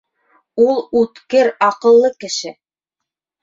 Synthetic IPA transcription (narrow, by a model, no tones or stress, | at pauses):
ulˠʉt̪kɘɾɑqɤ̆lˠːɤkɘ̆ʃɘ